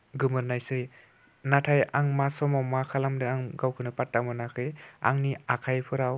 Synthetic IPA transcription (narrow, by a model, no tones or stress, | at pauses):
ɡɯmɯɾnajsɯj | natʰajaŋmasɔmawmakʰalamdɯaŋɡawkʰɯnɯpat̚ːamɯnakʰɯja̰ŋniakʰajpʰɯɾaw